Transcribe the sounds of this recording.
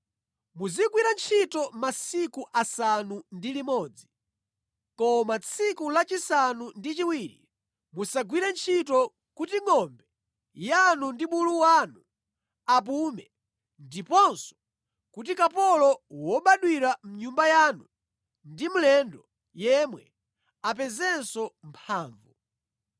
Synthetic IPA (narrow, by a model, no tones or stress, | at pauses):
muziɡwiɾant͡ʃʰitɔmasikuʔasanundilimɔːd͡zi | kɔmat͡sʰikulat͡ʃisanundit͡ʃiwiːɾḭ | musaɡwiɾant͡ʃʰitɔ | kutiŋɔmbɛ | janundiɓuluwaːnu | ap̬umɛ | ndipɔnsɔ̥ | kut̬ikapɔlɔwɔɓaɗwiɾam̩ɲumbajaːnu | ndim̩lɛndɔ | jɛmwɛ̰ | ap̬ɛzɛnsɔmpʰaːɱvu